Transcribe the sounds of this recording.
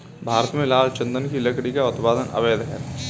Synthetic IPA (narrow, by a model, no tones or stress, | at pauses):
bʱaːɾət̪mẽlaːlt͡ʃɐ̃nd̪ənkilɐkɽikaʊt̪paːd̪ənɐ̰ʋeːd̪ɦɛː